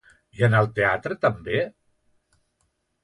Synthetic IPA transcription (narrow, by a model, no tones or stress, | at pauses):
iənəlˠt̪eat̪ɾət̪əmbe